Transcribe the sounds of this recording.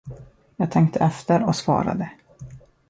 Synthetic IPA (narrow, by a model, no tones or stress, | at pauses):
jɑːɡ̚t̪ʰɛŋk̚t̪ʰəʔɛft̪əɾɔsvɑ̰ːɾa̰d̪ə